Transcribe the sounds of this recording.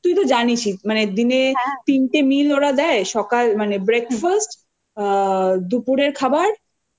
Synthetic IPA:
t̪ujt̪od͡ʑanit͡ɕʰimaned̪inet̪inʈemiloɾad̪ɛeʃɔkalmanebɾekfasʈ | d̪upuɾeɾkʰabaɾ

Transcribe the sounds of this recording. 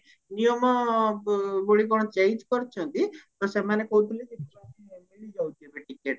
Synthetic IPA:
nijɔmɔ | boɭik̬ɔɽ̃ɔt͡ʃeit͡ʃkɔɾt͡ʃʰɔnt̪it̪ɔsemanekɔut̪ʰilet̪it̪̚ʰibatimeɭid͡ʒawt̪ʰiebeʈikeʈ

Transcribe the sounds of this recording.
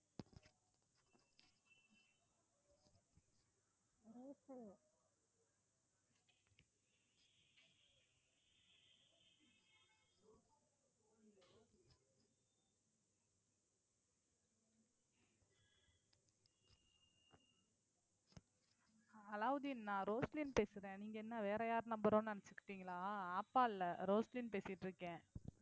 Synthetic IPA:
ɐlaːʋɐðɯnːãːɾoːsliːnpeːsɪɾẽːniːŋɡɐɛnːaːʋeːɾɐjaːɾnɐmbɐɾõːnnɐnɐt͡ʃːɯkːɪ̥ʈːiːŋɡɐɭaːaːpːaːɪlːɐɾoːsliːnpeːsɪʈːɾɯkːẽː

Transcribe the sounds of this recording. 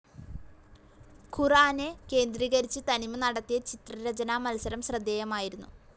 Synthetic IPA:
kʰuraːneke̞ːnd̪riːɣɐɾit͡ɕːɨt̪ɐnimɨnɐɽɐt̪ːijɐt͡ɕit̪rɐɾɐd͡ʑɐnaːmɐlɐsɐɾɐmɕrɐd̪ːeːjɐmaːjiɾunːu

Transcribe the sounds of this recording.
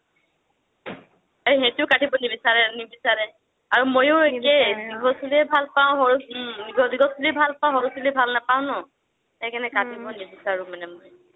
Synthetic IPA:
eɦetʊkatibɔnibisaɹɛnibisaɹɛ | aɹumojʊekɛdiɡʱɔsuliɛbʱalpaʊ̃ɦɔɹuiniɡɔdiɡɔsuliɛbʱalpãɦɔɹusulɛbʱalnapaʊ̃nɔ | hɛkɛnɛkatʰibɔnibisaɹʊ̃manɛmoj

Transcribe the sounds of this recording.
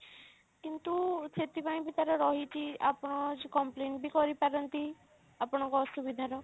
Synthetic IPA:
kint̪uset̪ipaĩbit̪aɾɔɾɔɦit͡ʃʰia̰pɔɽ̃ɔd͡ʒkɔmpleɳʈbikɔɾipaɾɔnt̪i | apɔɽ̃ɔ̃ŋkɔsubid̪ʱaɾɔ

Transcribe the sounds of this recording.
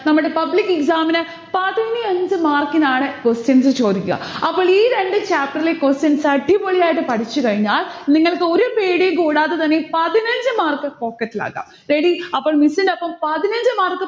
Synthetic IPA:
nɐmːuɽepɐblikːeksaːminɨ | pɐðiniɐɲd͡ʑɨmaːrkinaːɳɨkostjɐnsɨt͡ɕo̞ːd̪ikʲːuɣɐ̰ɐpːoːɭiːɾe̞ɳɖɨt͡ɕaːp̚ʈɐɾrilekostjɐnsɐʈːipoɭijaːjiʈ̬ːɨpɐʈʰit͡ɕːɨkɐɻiɲːaːlniŋːɐɭkːɨo̞ɾupeːɽijumkuːɽaːðet̪ɐnːepɐðinɐɲd͡ʑɨmaːrkɨpo̞ːkːɐʈːila̰ːkːa̰ːm | ɾe̞ɽiɐpːoːɭmisindɐpːɐmpɐðinɐɲd͡ʑɨmaːrkːɨ

